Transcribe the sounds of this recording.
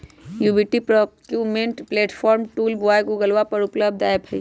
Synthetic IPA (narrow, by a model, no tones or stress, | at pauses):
juːbiʈipɾɔkjuːmẽɳʈpleːʈfʰɔːɾmʈuːlboajɡuɡəlʋapɐɾʊpləb̚d̪aːjəbɦɛi